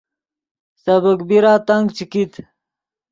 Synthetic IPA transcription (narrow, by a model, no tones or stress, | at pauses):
sɐbəkbiɾaːt̪ɐŋɡt͡ɕikit̪